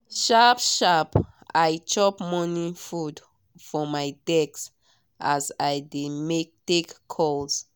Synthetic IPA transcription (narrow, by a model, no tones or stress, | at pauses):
ʃapʃap | ajt͡ʃɔpmɔnifud | fɔmajdɛks | ʔazajdemek̚tekʰːɔls